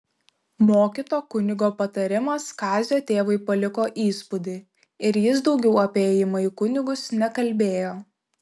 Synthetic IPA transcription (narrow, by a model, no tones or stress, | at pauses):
moːkʲɪt̪oːkʊnʲɪɡoːpɐt̪ɐɾʲɪmɐskɑːzʲoːt̪ʲeːʋɐɪpɐlʲɪkoːʔiːspʊd̪ʲɪ | ɪɾjɪs̬d̪ɒʊɡʲɛʊɐpʲeːjɪmɐikʊnʲɪɡʊsnʲɛkɐlʲbʲeːjoː